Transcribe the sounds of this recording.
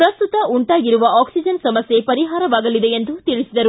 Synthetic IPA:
ɾɐst̪ut̪ɐʔuɳʈaːɡiɾuʋɐaːksid͡ʒɐnsɐmɐsje̞pɐɾiɦaːɾɐʋaːɡɐlid̪e̞end̪ut̪iɭisid̪ɐɾu

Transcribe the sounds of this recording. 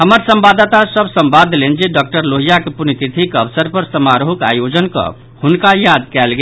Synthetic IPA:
ɦəməɾsəmbad̪t̪asəbsəmbad̪ʱlend͡ʒeɖɔk̚ʈəɾloɦijakepunit̪it̪ʰikəbsəɾpəɾsəmaɾoɦuka̰jod͡ʒənkə̰ | hunkajad̪kɛlɡe

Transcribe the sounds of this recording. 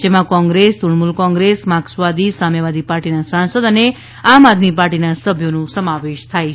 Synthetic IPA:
d͡ʒemãkɔ̃ŋɡɾesd̪uɳmulkɔ̃ŋɡɾesmaksʋad̪isamjeʋad̪ipaɾʈinasãnsəd̪əne | amad̪ʱmipaɾʈinasəbʱjonũsəmaʋeʃt̪ʰajʰ

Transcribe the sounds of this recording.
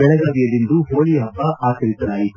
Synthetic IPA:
ɛɭɐɡaːʋijɐlind̪uɦoːɭiɐbaʔaːkɐɭit̪ɐlaːji

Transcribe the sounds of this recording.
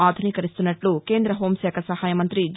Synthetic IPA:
aːd̪ʱɐniːkɐɾist̪unːɐʈluke̞ːnd̪ɾɐɦo̞ːmʃɛːkʰɐsɐhaːjɐmɐnt̪ɾid͡ʒ

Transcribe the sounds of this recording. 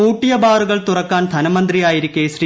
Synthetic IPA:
uːʈːijɐbaːruɣɐɭt̪urɐkːaːnd̪ʱɐnɐmɐnd̪rijaːjiɾikʲːeɕri

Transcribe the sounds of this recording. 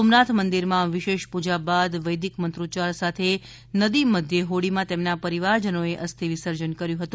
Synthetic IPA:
omnat̪ʰmənd̪iɾmãʋiʃeʃpud͡ʒabad̪ʋəjd̪ikmənt̪ɾut͡ʃaɾsat̪ʰe | nəd̪iməd̪ʱjeɦoɽimãt̪emnapəɾiʋaɾd͡ʒənoeʔəst̪ʰiʋisəɾd͡ʒənkəɾjũɦət̪ũ

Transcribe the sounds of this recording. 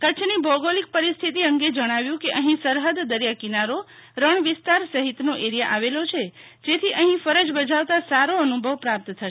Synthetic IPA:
kət͡ʃʰnibʱɔɡolik̚pəɾist̪ʰit̪iəŋɡed͡ʒəɽ̃aʋjũkeʔəɦĩsəɾɦəd̪d̪əɾjakinaɾo | ɾəɳ̃ʋɪst̪aɾsəɦit̪noʔeɾjaʔaʋelot͡ʃʰe | d͡ʒet̪ʰiʔəɦĩfəɾəd͡ʒbəd͡ʒaʋt̪asaɾoənubʱəʋpɾap̚t̪t̪ʰːəʃ

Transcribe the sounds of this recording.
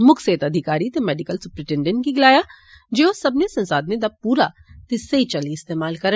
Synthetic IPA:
mʊkseːt̪ɐd̪ʱɪkaːɾit̪emɛːɖɪkəlsʊpɾɪʈẽːɳɖɛ̃ɳʈ̚kiɡɪlaːja | d͡ʒeːɦosɐbnesɐ̃nsaːd̪̚nẽd̪apuːɾa | t̪ɪseit͡ʃɐliɪst̪eːmaːlkɐɾ

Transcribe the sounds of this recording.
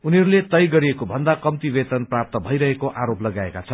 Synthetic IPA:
uniɦʌɾulet̪ʌjɡʌɾiekobʱʌnd̪akʌmt̪ibet̪ʌnprap̚t̪ʌbʱʌjɾʌɦekoʔaɾoplʌɡaekat͡sʰʌn

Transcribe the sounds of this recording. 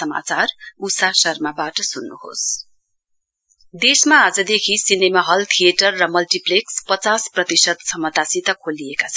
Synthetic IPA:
ʌma̰t͡sarusasʌrmabaʈʌsunːṵho̰s | d̪esmaːd͡zʌd̪ekʰisinemaɦʌlt̪ʰieʈʌrːʌmʌlʈiplekspʌt͡sasprʌt̪isʌt̪sʌmʌt̪asit̪ʌkʰolijekat͡sʰʌn

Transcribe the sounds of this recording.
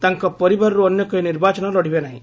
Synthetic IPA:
t̪aŋkɔpɔɾibɔɾɔɾuɔnjɔkɔiniɾbat͡ʃɔnɔlɔɽibenaɦḭ̃

